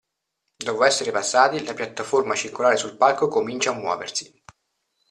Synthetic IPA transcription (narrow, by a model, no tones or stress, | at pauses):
d̪ɔːpoɛsːeɾepasːaːt̪ilapjat̪ːaformat͡ʃirkolaːɾesulpalkokomint͡ʃaːmːwɔ̰ːvḛrsi̥